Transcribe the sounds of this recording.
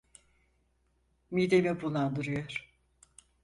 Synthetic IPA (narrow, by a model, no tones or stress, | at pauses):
mid̪emibulˠːand̪ɯɾɯjoɾ̥